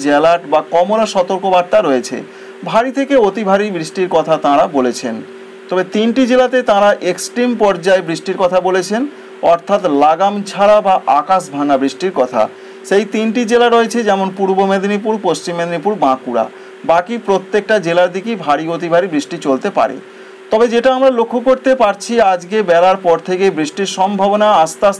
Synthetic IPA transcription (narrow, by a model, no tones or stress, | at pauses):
d͡ʑɛlaʈbakɔmoɾaʃɔt̪oɾkobaɾt̪aɾɔet͡ɕʰḛ | bʱaɾit̪ʰekeot̪ibʱaɾibɾiʃʈiɾkɔt̪ʰat̪ãɾabolet͡ɕʰen | t̪ɔbet̪inʈid͡ʑelat̪et̪ãɾaʔeksʈɾimpɔɾd͡ʑaebɾiʃʈiɾkɔt̪ʰabolet͡ɕʰen | ɔɾt̪ʰat̪laɡamt͡ɕʰaɾabaʔakaʃbʱaŋabɾiʃʈiɾkɔt̪ʰa̰ | ʃejt̪inʈid͡ʑelaɾoet͡ɕʰed͡ʑɛmonpuɾbomed̪inipuɾpost͡ɕimːed̪inipuɾbãkuɾa̰ | bakipɾot̪ːek̚ʈad͡ʑelaɾd̪ikibʱaɾiot̪ibʱaɾibɾiʃʈit͡ɕolt̪epa̰ɾḛ | t̪ɔbed͡ʑeʈaamɾalokʰːokoɾt̪epaɾt͡ɕʰiad͡ʑkebɛlaɾpɔɾt̪ʰekebɾiʃʈiɾʃɔmbʱabonaast̪as